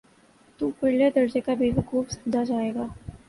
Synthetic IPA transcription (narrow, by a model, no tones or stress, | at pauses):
t̪uːpɪɽled̪ɐɾd͡ʒekabeːɦkuːbsɐbd̪ʱad͡ʒaːeːɡaː